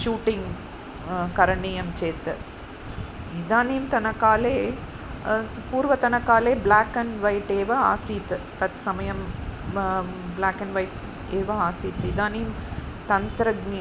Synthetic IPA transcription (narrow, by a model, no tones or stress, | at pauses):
ʃuːʈɪŋ | kɐɾɐɳɪjɐmt͡ʃeːt̪ːɯ | ɪðaːnejɯmt̪ɐnɐkːaːleː | puːɾʋɐt̪ɐnɐkːaːleːblaːkːɐnʋɐɪʈeːʋɐa̰ːsit̪ɯt̪ɐt̪sɐmɐjɐm | blaːkːɐnʋɐɪʈ | eːʋɐaːsiːt̪ːɯɪðaːnejɯm | t̪ɐnt̪ɾɐɡni